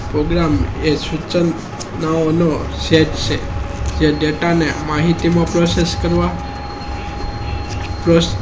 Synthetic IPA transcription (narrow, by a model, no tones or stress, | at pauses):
pɾoɡɾamesut͡ʃən | naonoseʈt͡ʃʰed͡ʒeɖeʈanemaɦit̪imãpɾoseskəɾʋa | pɾo